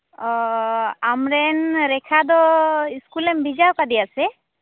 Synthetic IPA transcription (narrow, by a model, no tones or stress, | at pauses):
amɾɛnɾɛkʰad̪ɔiskulɛmbʱid͡ʒawkad̪ijasɛ